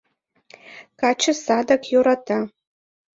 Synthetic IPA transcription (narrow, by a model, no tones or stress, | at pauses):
kʰat͡ʃʰɨsadakʰʼjuɾatʰa